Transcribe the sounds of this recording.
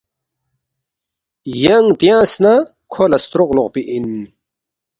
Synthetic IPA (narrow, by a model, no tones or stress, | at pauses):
jɐŋt̪jãːsna | kʰolɐst̪ɾoqloqpiʔin